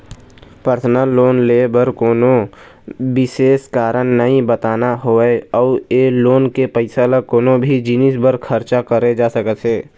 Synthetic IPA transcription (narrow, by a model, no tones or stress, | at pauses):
pəɾt̪ʰnaloːnlebəɾkoːno | bɪʃeːskaːɾənːəĩbət̪aːnaɦoːeɔːeːloːnkepəɪsalakoːnobʱid͡ʒɪnɪsbəɾkʰəɾt͡ʃakəɾed͡ʒaːsəkət̪ɦeː